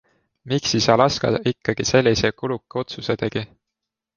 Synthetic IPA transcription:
miksisɑlɑskɑ̰ikːɑɡ̥ise̞lʲːisekulukːˑeo̞t̪sused̪̥eɡ̥i

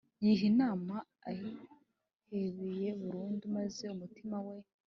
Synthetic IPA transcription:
jiɦinaːmaː | ji | heβeje̞βuɾuːndumaze̞umutimawe̞

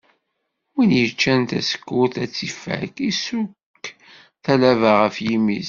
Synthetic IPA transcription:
winjət͡ʃːænt̪æ̰sə̥kːuθæt͡sːifæ̰kisukː | θælævəʁəfjimiz

